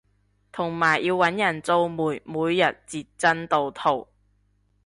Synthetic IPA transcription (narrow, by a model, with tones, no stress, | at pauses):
t̪ʰʊ˨˩ŋmaː˨˩jːiː˧wːɐ˨˥njɐ˨˩nt͡so˧wmuː˨˩jmuː˨˧jːɐ˨t̚t͡siː˧t̚t͡sɐ˥nt̪o˨˧wt̪ʰo˨˩w